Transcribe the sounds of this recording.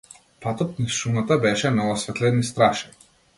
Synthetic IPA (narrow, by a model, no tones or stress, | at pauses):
pat̪ɔt̪̚naʃumat̪abɛʃɛnɔvɔsvɛt̪lɛnist̪ɾaʃaj